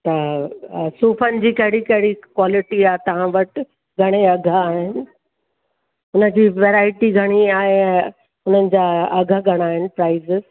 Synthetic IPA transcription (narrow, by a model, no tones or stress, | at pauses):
t̪ɐ | suːfənɪ̆d͡ʑiːkɐɦɪɽikɐɦɪɽikwaːlɪʈiaːɦet̪ɐʋ̤ãʋɐʈ | ɡʱɐɽ̃eɐɡʱəaːɦɪnɪ̆ | ʊnəd͡ʑiːʋeːɾaːɪʈiɡʱɐɽ̃iaːɦeɛ̃ | ʊnənɪ̆d͡ʑaːɐɡʱəɡʱɐɽ̃aːɦɪnɪ̆pɾaːɪzɪz